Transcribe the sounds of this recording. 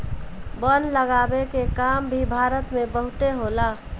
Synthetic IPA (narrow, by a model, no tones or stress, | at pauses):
bənləɡabekekambʱibʱaɾət̪mẽbəɦʊt̪eɦola